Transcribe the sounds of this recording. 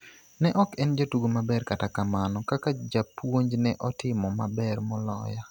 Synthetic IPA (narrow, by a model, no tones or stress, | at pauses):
nɛʔɔkɛnd͡ʒatuɡomabɛrkatakamanɔkakad͡ʒapwoɲd͡ʒnɛʔɔtɪmɔmabɛrmɔlɔ̰ja